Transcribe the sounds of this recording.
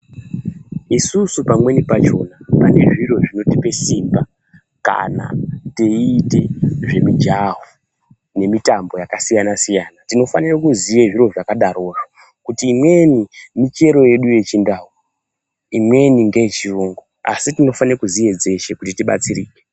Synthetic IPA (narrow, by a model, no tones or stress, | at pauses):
isusupamwe̞nipat͡ʃo̞napane̞ʐiro̞ʐino̞tipe̞simba | ka̰na̰teːte̞ʐe̞mid͡ʒavu | ne̞mitambo̞jakasijanasijaːnatino̞fanirakuzijeʐiro̞ʐakaɗaro̞ːʐo | kutiːmwe̞nimit͡ʃe̞ɾo̞je̞ɗuje̞t͡ʃindaːu | imwe̞niŋɡejet͡ʃiruːŋɡoa̰sitino̞fanirakuzije̞d͡ze̞ʃekutitiɓa̰t͡siriːke